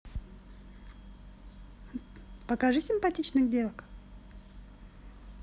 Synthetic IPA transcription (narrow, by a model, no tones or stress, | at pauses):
pəkaʐɨsʲɪmpɐtʲit͡ɕnɨxdʲe̞lˠək